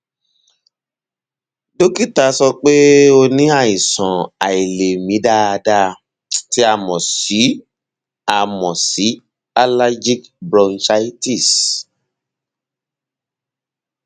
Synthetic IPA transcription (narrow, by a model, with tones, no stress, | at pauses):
do˦ki˦˨ta˧sɔ˧k͡pe˦o˧nĩ˦a˦˨i˨sɔ̃˨a˨i˨le˨mĩ˨˦da˦˨a˧da˦˧ | ti˦a˧˨mɔ̃˨si˨˦ | a˨mɔ̃˨si˨˦ | a˦la˦d͡ʒi˦kbɾɔ̃˧nsa˧˦i˦ti˦˨s